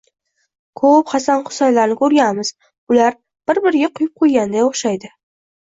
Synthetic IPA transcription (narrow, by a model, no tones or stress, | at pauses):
kʰɵpχɑsanχʊ̥sajlaɾnɪkʰɵɾɡʲanmɪz̥ | ʊlaɾ | b̥ɪɾbɪɾɡʲaqʰʊjʊp̚qʰojɡʲand̪ajoχʃajd̪ɪ